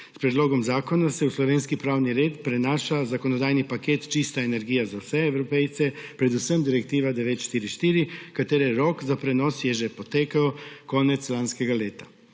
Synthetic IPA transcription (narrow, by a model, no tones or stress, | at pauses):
spɾɛd̪loːɡɔmzaːkɔnasɛuslɔʋeːnskipɾaːwniɾeːt̪pɾɛnaːʃazakonɔd̪aːjnipakeːt̪t͡ʃist̪aenɛɾɡiːjazawsɛɛwɾɔpɛjt̪sɛpɾɛd̪usəmd̪iɾɛkt̪iːʋad̪ɛʋeːt̪ʃt̪iːɾiʃt̪iːɾikat̪eːɾɛɾɔːkzapɾɛnɔsjɛʒɛpɔt̪eːkaɔkɔːnɛt̪slanskɛɡaleːt̪ḁ